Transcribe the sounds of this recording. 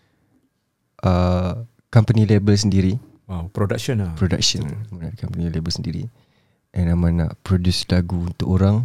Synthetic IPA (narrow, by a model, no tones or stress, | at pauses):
ʔə | kampənilebəls̬əndiɾi | wawpɾodakʃɔnapɾoda̰k̚ʃənamanaʔkampənilebəlsəndiɾḭ | ʔɛnamana̰ʔpɾodjuslaɡuunt̪ʊkoɾaŋ